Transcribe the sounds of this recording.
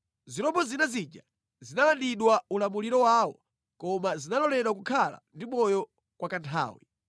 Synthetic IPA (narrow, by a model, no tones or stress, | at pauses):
ziɾɔmbɔzinazid͡ʒa | zinalandiɗwaulamuliɾɔwaːwɔ̰ | kɔmazinalɔlɛɗwakukʰala̰ndimɔjɔ | kwakantʰa̰ːwḭ